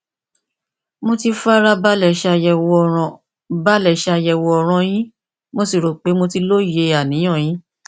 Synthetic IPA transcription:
mo˧ti˧fa˦ɾa˧ba˦lɛ˦˨ʃa˧ɛ˧w̃ | ba˦lɛ˦˨ʃa˧jɛ˧˨wɔ˧ɔ˧ɾ̃ɔ̃˧j̃ĩ˦ | mo˦si˦˨ɾo˨k͡pe˨˦mo˧ti˧lo˦˨je˧a˨nĩ˨˦j̃ã˦˨jĩ˨˦

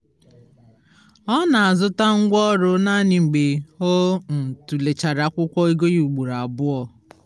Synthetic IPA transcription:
ɔ˦na˨a˨zʊ˦ta˦ŋ̩˦ɡʷɔ˦ɾʊ˦na˦nɪ˨ŋ͡m̩˨ɡ͡be˨o˦n̩˨tu˨le˨t͡ʃa˨ɾa˨˦kʷʊ˦kʷɔ˦i˦ɡo˦ju˨ɡ͡bu˨ɾa˨bʊ˦ɔ˨

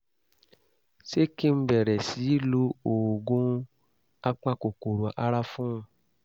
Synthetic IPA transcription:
se˦kĩ˦m̩˦bɛ˨ɾɛ˨si˨˦lo˧o˨ɡõ˦ | a˦k͡pã˦ko˨ko˨ɾu˨a˨ʔa˧ɾa˦fũ˦˧

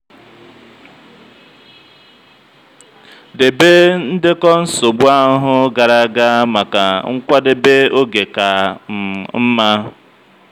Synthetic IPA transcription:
de˨be˦n̩˦dɪ˦kɔ˦n̩˦so˨bu˦a˦ɦʊ˦ɡa˨ɾa˦ɡa˦ma˨ka˨ŋ̩˦kʷa˦de˦be˦o˦ɡe˨ka˨ | m̩˦ma˦

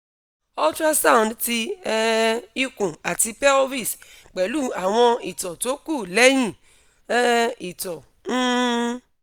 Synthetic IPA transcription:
ɔ˦tɾa˦sa˦˨ndti˧ɛ˦i˦kũ˨a˨ti˧pɛ˦o˦vi˦˨sk͡pɛ˨lu˦a˨w̃ɔ̃˧i˨tɔ˨to˦ku˦˨lɛ˦jĩ˦˨ | ɛ˦i˨tɔ˨ | n̩ː˦

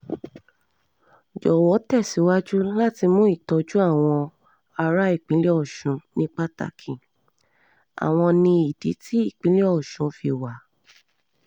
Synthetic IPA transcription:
d͡ʒɔ˨wɔ˨˦tɛ˦˨si˨˦wa˦d͡ʒu˦la˦ti˧mũ˦i˦˨tɔ˨˧d͡ʒu˦a˦˨w̃ɔ̃˧ | a˧ɾa˦i˦˨k͡pĩ˨˦le˦ɔ˦˨ʃũ˨˧nĩ˦k͡pa˦ta̰˦˧kʰĩ˨ | a̰˨w̃ɔ̃˧nĩ˧i˨di˨˦tʰi˦i˦˨k͡pĩ˨˦le˦ɔ˦˨ʃũ˨˦fi˧wa˨˦

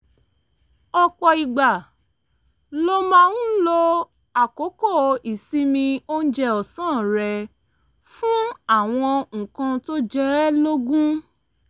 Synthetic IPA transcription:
ɔ˧k͡pɔ˨i˨ɡ͡ba˨ | lo˦mã˦˧nũ˦lo˧ | a˨ko˨˦ko˦˨i˨si˦mĩ˧o˦n̩˦d͡ʒɛ˦˧ɔ˨sãː˦˨ɾɛ˧ | fũ˦a˦˨w̃ɔ̃˧ŋ̩̃˨kã˧to˦d͡ʒɛ˦lo˦ɡũ˦

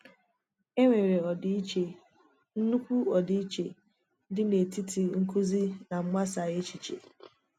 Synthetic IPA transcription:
e˦ŋʷe˨ɾe˨ɔ˨di˦i˦t͡ʃe˨ | n̩˦nu˦kʷu˦ɔ˨di˦i˦t͡ʃe˨ | dɪ˦ne˨ti˦ti˨ŋ̩˦ku˦zi˦na˨ŋ͡m̩˦ɡ͡ba˦sa˨ɣe˦t͡ʃi˨t͡ʃḛ˨

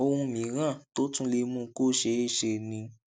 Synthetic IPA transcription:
o˧hũ˧mĩ˨˦ɾã˦˨to˦tũ˦le˧˦mũ˧˦ko˦ʃe˧˦e˦˨ʃe˧˨nĩ˧

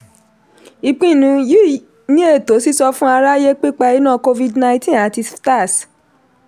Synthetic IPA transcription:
i˧k͡pĩ˦˨nũ˨˧ji˦˨ | nĩ˦e˦˨to˨˦si˦sɔ˧fũ˦a˧ɾa˦je˦k͡pi˦k͡pɛ˧i˦nã˦˨ko˧vi˧dnã˧ĩ˦tĩ˦˨a˨ti˧sta˦˨s

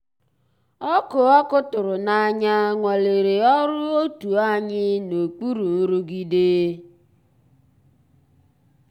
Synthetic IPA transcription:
ɔ˦kʊ˨ɔ˦kʊ˦tʊ˨ɾʊ˨na˨ɲa˦ŋʷɔ˨le˨ɾe˨ɔ˦ɾʊ˦o˦tu˨a˦ɲɪ˦no˨k͡pu˦ɾu˨n̩˦ɾu˦ɡi˦de˦

